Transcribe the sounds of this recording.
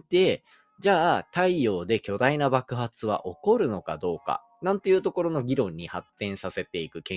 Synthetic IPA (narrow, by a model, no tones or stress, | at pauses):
t̪e̞ | d͡ʑaːt̪aijo̞ːd̪e̞kʲo̞d̪ainabakɯ̟ɦat͡sɨβa̰ʔo̞ko̞ɾɯ̟no̞kad̪o̞ːka̰ | nãnt̪o̞jɯ̟ːt̪o̞ko̞ɾo̞no̞ɡʲiɾõ̞ɲ̟ːihat̪ːẽ̞ɰ̃sase̞t̪e̞ikɯ̟kẽ